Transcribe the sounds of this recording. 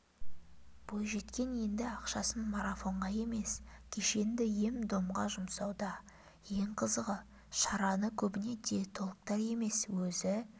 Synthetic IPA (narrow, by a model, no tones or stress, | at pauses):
b̥ojʒe̞t̪kʲe̞nje̞nd̪ɪɑqʃɑsənmaɾafo̞ɴʁɑje̞me̞skʲʰeʃe̞nd̪ɪje̞md̪o̞mʁɑʒʊmsɑwd̪ɑ | je̞ɴqʰəzəʁə | ʃɑɾɑnəkʲʰɵbɪne̞d̪et̪ʰo̞lˠəq̚t̪ɑɾje̞me̞swɵzɪ